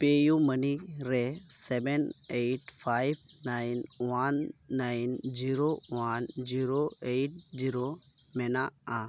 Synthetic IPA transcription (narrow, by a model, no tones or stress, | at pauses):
pejuməniɾesɛbenejʈfʰajb | najnʋanːajind͡ʒiɾoʋand͡ʒiɾoejʈ̚d͡ʒiɾo | mɛnaa